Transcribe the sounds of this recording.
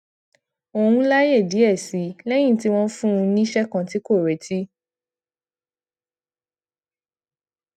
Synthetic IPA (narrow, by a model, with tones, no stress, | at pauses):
o˨hũ˧la˦je˦˨di˨˦ɛ˦˨si˨˦lɛ˦j̃ĩ˦˨ti˦w̃ɔ̃˦fũ˦ũ˧nĩ˦ʃɛ˦kã˧˦ti˦ko˦˨ɾɛ˨˦tʰi˦